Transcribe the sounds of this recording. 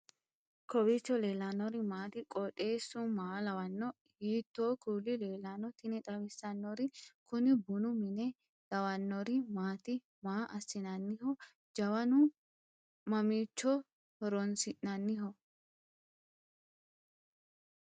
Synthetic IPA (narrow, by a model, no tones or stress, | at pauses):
kɔbit͡ʃːɔleːlanːɔɾɪmaːt̪ɪkʼɔᶑʼe̞ːsːʊmaːlɐwɐnːɔ | hiːt̪ːoːkuːlːɪle̞ːlaːnɔt̪ɪnɛt̪ʼɐwɪsːɐnːɔɾɪkʊnɪbʊnʊmɪnɛ | lɐwɐnːɔɾɪmaːt̪ɪ | maːʔɐsːɪnɐnːɪhɔ | d͡ʒɐwɐnʊ | mɐmiːt͡ʃːɔ | hɔɾɔnsɪʔːɐnːɪɦɔ